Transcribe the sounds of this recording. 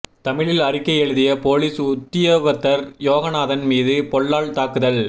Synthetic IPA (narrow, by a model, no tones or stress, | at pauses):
t̪ɐmɪɭɪlɐrɪkːɐjɛɻɯðɪjɐpoːliːsʊt̪ːɪjoɣɐt̪ːɐɾjoːɣɐnaːðɐnmiːðɯpɔɭːaːɭt̪aːkɯðɐɭ